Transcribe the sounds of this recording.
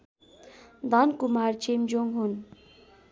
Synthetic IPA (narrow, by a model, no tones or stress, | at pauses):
d̪ʌnkumaɾt͡ʃemd͡ʒoŋɡɦun